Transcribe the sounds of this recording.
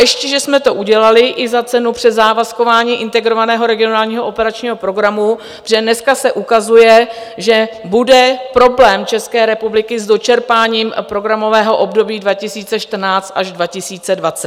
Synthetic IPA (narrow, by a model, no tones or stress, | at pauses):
jɛʃcɛʒɛsmɛt̪o̞ʔuɟɛlalɪʔɪzat͡sɛnupr̥ɛzaːvasko̞vaːɲiːʔɪnt̪ɛɡɾo̞vanɛːɦo̞ɾɛɡɪo̞naːlɲiːɦoʔopɛɾat͡ʃɲiːɦo̞pɾo̞ɡɾamu | pr̥ɛdnɛskasɛʔukazujɛʒɛbudɛpɾo̞blɛːmt͡ʃɛskɛːɾɛpublɪkɪzdo̞t͡ʃɛɾpaːɲiːmpɾo̞ɡɾamo̞vɛːɦo̞ʔo̞bdo̞biːdvacɪsiːt͡sɛʃt̪r̩naːt͡st̪ʔaʒdvacɪsiːt͡sɛdvat͡sɛt̪